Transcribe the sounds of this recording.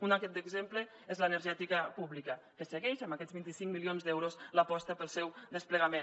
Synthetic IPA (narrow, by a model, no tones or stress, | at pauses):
unaket̪̚d̪əɡzemplə | ezlənəɾʒɛt̪ikəpuβlikə | kəsəɣɛʃəmbakɛd͡zβint̪isiŋkmilionzd̪ɛwɾozləpɔst̪əpəlˠsɛwd̪əspləɣɐmen